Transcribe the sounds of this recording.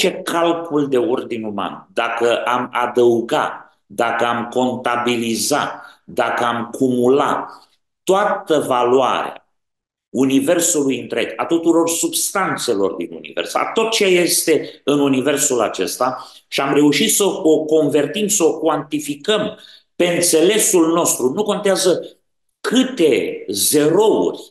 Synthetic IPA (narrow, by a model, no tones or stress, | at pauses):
t͡ʃe̞kʰalkuld̪e̞ord̪inʲuma̰nd̪akəʔama̰d̪əuɡa̰t̪ | d̪akəamko̞nt̪abiliza̰t̪d̪akəamkʰumula̰t̪ː | oat̪əvalwa̰ɾḛa̰ | unive̞rsulujɨnt̪ɾeka̰t̪ut̪uɾo̞rsubst̪ant̪se̞lo̞̰rd̪inṵnḭve̞̰rsa̰t̪o̞t̪̚t͡ʃeeje̞st̪e̞ɨnunive̞rsula̰t͡ʃe̞̰st̪a | ʃiamre̞uʃit̪səoko̞nve̞rt̪imsəokwant̪ifikəm | pe̞ɨnt̪se̞le̞sulno̞st̪ɾunuko̞nt̪eazə | kʰɨt̪e̞ze̞ɾo̞ṵrʲ